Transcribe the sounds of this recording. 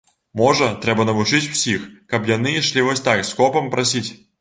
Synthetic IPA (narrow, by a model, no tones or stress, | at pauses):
mɔʐət̪ɾɛbɐnɐvʊt͡ʂɨt͡sʲw̥sʲixkɐpjanɨʂlʲivɔsʲt̪akskɔpɐmpɾɐsʲit͡sʲ